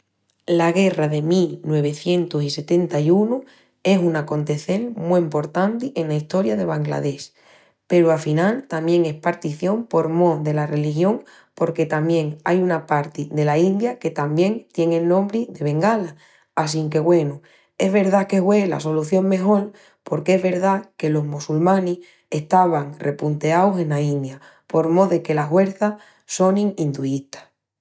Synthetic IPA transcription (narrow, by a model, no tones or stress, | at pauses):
laɣ̞e̞raðe̞milnwe̞β̞e̞θje̞nt̪osise̞t̪e̞nt̪ajunu | e̞sunako̞nt̪e̞θe̞lmuempo̞ɾt̪ant̪ie̞nlaist̪o̞ɾjaðe̞β̞aŋɡla̰ðe̞s | pe̞ɾuafinalt̪amje̞ŋe̞spaɾt̪iθjompo̞ɾmo̞ðe̞lare̞lixjo̞ŋ | po̞ɾke̞t̪amje̞ŋajunapaɾt̪iðe̞laind̪jake̞t̪ambje̞ŋt̪je̞ŋelnõmbɾiðe̞β̞e̞ŋɡalaː | s̬iŋke̞ɣwe̞nu | e̞ɦβe̞ɾðake̞ɦwe̞la̰so̞luθjo̞ŋmẽ̞ɦo̞l | po̞ɾkeeɦβe̞ɾðake̞lo̞ɦmusulmãnih | e̞ht̪aβaŋre̞punt̪e̞awse̞naind̪ja | po̞ɾmo̞ðeke̞laɦwe̞ɾθa | so̞nĩŋind̪uiht̪ḁ